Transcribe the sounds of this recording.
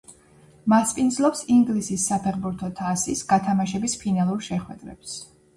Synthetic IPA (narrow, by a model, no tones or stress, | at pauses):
maspʼind̪zlˠɔpsiŋɡlisisːapʰɛʁbuɾt̪ʰɔt̪ʰasisɡ̥at̪ʰamaʃɛbispʰinalˠuɾʃɛχwɛ̰d̪̥ɾɛ̰ps